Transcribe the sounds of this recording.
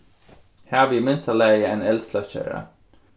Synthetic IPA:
hæːʋiːmɪnst̪ɑlæɪəeːnɛlslɑçœ̰ɾə̰

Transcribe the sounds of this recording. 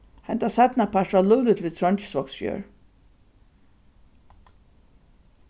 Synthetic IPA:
hɛnt̪asɛt̪napʰaʂtvaluːlʏt̪viːðt̪ʰɾɔnt͡ʃɪ̥svɔksfjœ̰ːɹ

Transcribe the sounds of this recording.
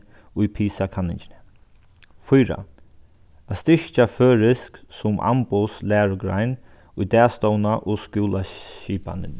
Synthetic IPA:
ʊjpʰiːsakʰanɪɲt͡ʃɪnɪ | fʊjɾa̰ | ast̪ɪʃt͡ʃaføːɾɪsksʊmʔa̰mpʊslɛːɹʊɡɾa̰jn | ʊjd̪ɛːst̪ɔwnaʔʊːskuːlaʃiːpa̰nɪn

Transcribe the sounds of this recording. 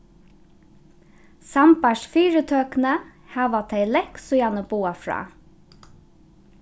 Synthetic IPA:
sɑmpæʃfyːɹət̪ʰøːknə | hæːʋɑt̪ʰeɪlɛksʊjænəbuːɑfɹɑ̰ː

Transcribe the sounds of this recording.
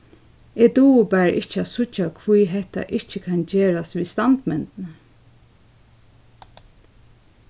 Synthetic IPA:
ɛːd̪uːʊbɛɹʔɪht͡ʃasʊt͡ʃːakʰvujɦɛht̪a̰ʔɪht͡ʃəkʰand͡ʒeːɹasʋist̪ant̪mɛnt̪n

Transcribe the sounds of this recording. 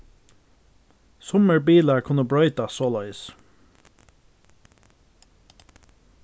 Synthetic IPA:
sʊməɹbiːlaɹkʰʊnəbɹœʏt̪asoːlœʏs

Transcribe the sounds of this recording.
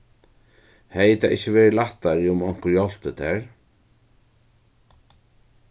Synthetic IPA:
hejt̪ʰaɪhçəʋɛːɾɪlaht̪ːaɾɪʊmɔŋ̥kʊɾjɔl̥t̪ət̪ʰɛɹ

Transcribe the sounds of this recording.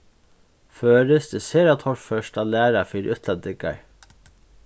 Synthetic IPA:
føːɾɪsd̪ɪseːɾat̪ʰɔɾfœʂtaːlæːɾafiːɾʔʏt̪ʰlant̪ɪka̰ɹ

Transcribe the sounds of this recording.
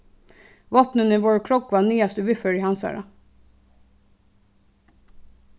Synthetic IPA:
ʋɑːpnəniːʋoːɹkʰɹɔkʋɑːniːɑst̪ʉʋʏfəɹiːhɑnsæ̰ːɹɑ̰

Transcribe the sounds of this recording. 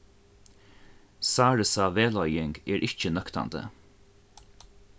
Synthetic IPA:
saːɹəsaʋeːlɔʏjɪŋɡɛːɹʔɪçt͡ʃənœkt̪a̰nd̪ə̰

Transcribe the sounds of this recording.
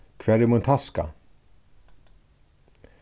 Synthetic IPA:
kʰvɛɾɪmʊnt̪ʰaska̰

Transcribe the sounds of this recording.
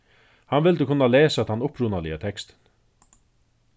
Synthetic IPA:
hanvɪld̪əkʰʊnːalɛːsat̪ʰanʊpɾuːnalɪat̪ʰɛkst̪ə̥n

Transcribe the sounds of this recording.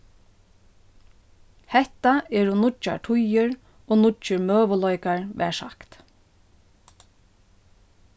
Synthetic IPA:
hɛht̪aɛɹʊnʊt͡ʃːa̰ɹʈʰʊjɪɹ | oːnʊt͡ʃɪɹmøːʋəlɔjkaɹʋɛ̰ːsa̰kt̪

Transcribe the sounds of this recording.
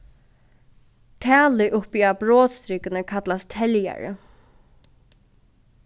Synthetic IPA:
t̪ʰæːlɪʔʊpiabɾɔːt̪st̪ɾɪkɪnəkʰat̪last̪t̪ʰɛlja̰ɹɪ̰

